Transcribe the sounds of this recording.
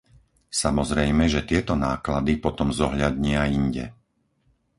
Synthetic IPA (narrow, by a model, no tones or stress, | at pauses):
samɔzɾɛjmɛʒɛt̪ɪɛt̪ɔnaːklad̪ipɔt̪ɔmzɔɦʎad̪ɲɪaiɲɟɛ̰